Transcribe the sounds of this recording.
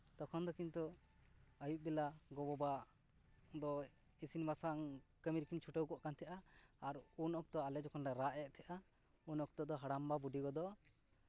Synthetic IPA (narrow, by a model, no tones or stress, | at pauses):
t̪ɔkʰɔnd̪ɔkint̪u | əjuʔ̚bɛlaɡɔbɔba | d̪ɔ | isinbasaŋkəmiɾkint͡ʃʰuʈəwkɔʔkant̪ʰɛʔaːɾunɔk̚t̪ɔalɛd͡ʒɔkʰɔnɖaɾaʔɛʔ̚t̪ʰɛʔa | unɔk̚t̪ɔd̪ɔɦaɽambabuɖiɡɔd̪ɔ